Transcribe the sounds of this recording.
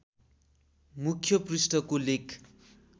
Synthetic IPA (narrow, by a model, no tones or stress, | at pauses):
mukʰjʌprisʈʌkolekʰ